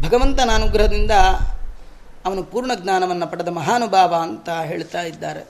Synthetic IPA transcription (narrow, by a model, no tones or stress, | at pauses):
bʱɐɡɐʋɐnt̪ɐnaːnuɡɾɐɦɐd̪ind̪ɐ | ɐʋɐnupuːɾɳɐɡnaːnɐʋɐnːɐpɐɽɐd̪ɐmɐɦaːnubʱaːʋaːnt̪ɐɦeːɭt̪aːjid̪ːaːɾe̞̰